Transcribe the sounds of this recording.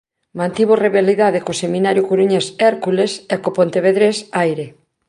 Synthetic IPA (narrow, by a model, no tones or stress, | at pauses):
mãnt̪iβoreβealiðaðekosemĩnaɾjʊkuɾuɲesɛɾkulesɛkopont̪eβeðɾesajɾe